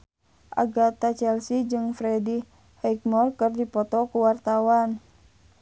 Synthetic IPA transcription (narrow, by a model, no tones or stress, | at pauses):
ʔa̰ɡat̪at͡ʃɛlsid͡ʒɨŋfɾɛdi | hɛk̚mɔrkɨrdipɔt̪ɔkuwart̪awan